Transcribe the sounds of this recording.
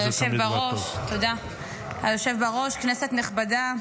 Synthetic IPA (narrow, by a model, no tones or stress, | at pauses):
joʃevbaʁoʃt̪od̪a | ajoʃevbaʁo̞ʃkneset̪neχbada